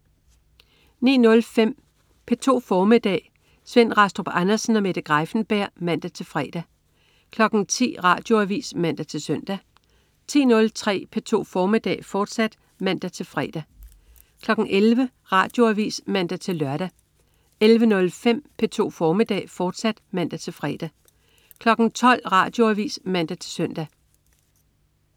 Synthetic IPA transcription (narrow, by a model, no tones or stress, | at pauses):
nḭːnɔ̽lfem̰ | pʰet͡sʰo̝̰ːfɒːmed̥ɛ̰ː | sʋen̰ʁɑsd̥ʁob̥ænɐsn̩ɒ̽meɾ̥ɐɡ̥ʁɑɪfn̩b̥æɐ̰mæn̰d̥æt͡sʰe̝lfʁɛːd̥æ | kʰlɒ̽ɡ̥n̩t͡sʰḭːʁɑ̰̈ːd̥jo̝æʋḭːsmæn̰d̥æt͡sʰe̝lsœn̰d̥æ | t͡sʰḭːnɔ̽lt͡sʰʁɛ̰ːpʰet͡sʰo̝̰ːfɒːmid̥ɛ̰ːfɒːd̥sæd̥ | mæn̰d̥æt͡sʰe̝lfʁɛːd̥æ | kʰlɒ̽ɡ̥ŋ̩elʋə | ʁɑ̈d̥jo̝æʋḭːsmæn̰d̥æt͡sʰe̝lːɶɐɾ̥æ | elʋənɔ̽lfem̰pʰet͡sʰo̝̰ːfɒːmid̥ɛ̰ːfɒːd̥sæd̥mæn̰d̥æt͡sʰe̝lfʁɛd̥æ | kʰlɒ̽ɡ̥n̩t͡sʰɒ̽l̰ʁɑ̰̈ːd̥jo̝æʋḭːsmæn̰d̥æt͡sʰe̝sœn̰d̥æ